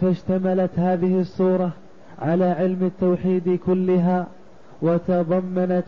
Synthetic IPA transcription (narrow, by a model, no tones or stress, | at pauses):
faʃt̪amalat̪haːðɪhɪsˤːuːɾˤɑ | ʕalaːʕɪlmat̪ːawħiːd̪kʊlːɪɦaː | wat̪ɑðˤɑmːanat̪